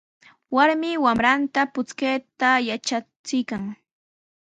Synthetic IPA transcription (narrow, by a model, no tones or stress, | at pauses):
waɾmɪwamɾant̪apʊt͡skejt̪ajat͡ʃa | t͡sɪjkaŋ